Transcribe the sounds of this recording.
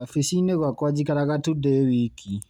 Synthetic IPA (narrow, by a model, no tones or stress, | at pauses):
afisineɣwakwad͡ʒikaɾaɣatudɛwikʰi